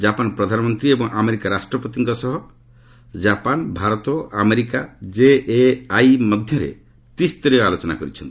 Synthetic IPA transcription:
d͡ʒapanpɾɔd̪ʱanmɔnt̪ɾiebɔ̃ŋʔameɾikaɾasʈɾɔpɔt̪iŋkɔsɔɦɔ | d͡ʒapanbʱaɾɔt̪oameɾikad͡ʒeajmʌd̪ʱjʌɾḛ | t̪ist̪ɔɾialot͡ʃɔna̰kɔɾit͡ʃʰʌnt̪i

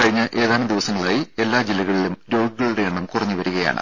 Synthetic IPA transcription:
kɐɻiɲːɐʔe̞ːðaːnɐmd̪iʋɐsɐŋːɐɭaːjie̞lːaːd͡ʑilːɐɣɐɭilumɾo̞ːɡɨɣɐɭuɽe̞ɐɳːɐmkurɐɲːɨʋɐɾuɣɐja̰ːɳɨ̰

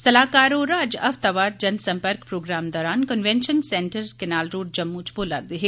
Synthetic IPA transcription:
sɐlaːkaːɾoːɾaːd͡ʒɐʋt̪ɐʋaːɾ̚d͡ʒɐnsɐmpəɾkpɾoːɡɾaːmd̪ɔːɾaːnkənʋenʃənseɳʈəɾkenaːlɾoːɖ̚d͡ʒɐmːuːt͡ʃʰboːla̰ːɾd̪iɦe

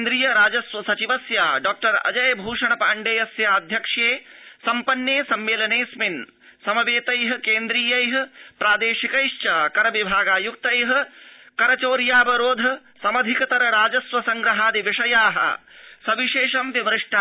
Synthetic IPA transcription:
nd̪ɾiːjɐɾaːd͡ʒɐsʋɐsɐt͡ʃiʋɐsjaːɖaːk̚ʈɐɾɐ̰d͡ʒɐjbʱuːʂɐɳɐpaːɳɖeːjɐsjaɐd̪ʱjɐkʂeːsɐmpɐnjeːsɐmːeːlɐneːsmin | sɐmɐʋeːt̪ɐjɦɐ̆keːnd̪ɾiːjɐjɦɐ̆pɾaːd̪eːʃikɐjʃt͡ʃɐːkɐɾɐʋibʱaːɡaːjuk̚t̪ɐjɦɐ̆ | kɐɾɐt͡ʃoːɾjaːbɐɾoːd̪ʱɐ | sɐmɐd̪ʱikɐt̪ɐɾɐɾaːd͡ʒɐsʋɐsɐŋɡɾɐɦaːd̪iʋiʂɐjaːɦɐ̰sɐʋiʃeːʂɐmʋiʋɾɪʂʈʰa

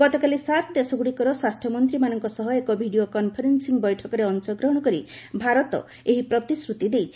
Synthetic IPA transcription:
ɡɔt̪ɔkalisaɾpʰd̪esɔɡuɽikɔɾɔswast̪ʰjɔmɔnt̪ɾimanɔŋkɔsɔɦɔekɔbʱiɽiokɔnpʰɔɾensiŋbɔjʈʰɔkɔɾeɔnsɔɡɾɔɦɔɽ̃ɔkɔɾibʱaɾɔt̪ɔ̰ | eɦipɾɔt̪isɾut̪id̪ejt͡ʃʰi̥

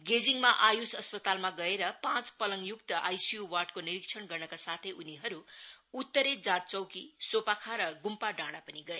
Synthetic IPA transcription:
ɡed͡ziŋmaʔajusʌspʌt̪almaɡʌeɾʌpãt͡spʌlʌŋjukt̪ʌʔajsijuwarɖkoniɾikt͡sʰʌnɡʌrnʌkasat̪ʰeʔuniɦʌɾuut̪ːʌɾed͡zat̪̚t͡sʌwkisopakʰaɾʌɡumpaɖãɽ̃apʌniɡʌe

